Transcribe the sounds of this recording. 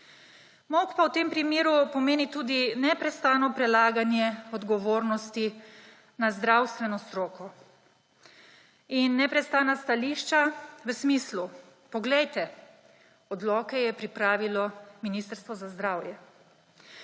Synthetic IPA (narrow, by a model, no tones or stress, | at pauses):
mokpawt̪eːmpɾimeːɾupɔmeːnit̪uːd̪inɛpɾɛst̪aːnɔpɾɛlaːɡanjɛɔd̪ɡɔʋoːɾnɔst̪i | nazd̪ɾawst̪ʋɛnɔst̪ɾoːkɔ | inːɛpɾɛst̪aːnast̪aliʃt͡ʃaʋəsmislu | pɔɡlɛjt̪ɛ | ɔd̪lɔːkɛjɛpɾipɾaːʋilɔminist̪əɾst̪ʋɔzazd̪ɾaːwjɛ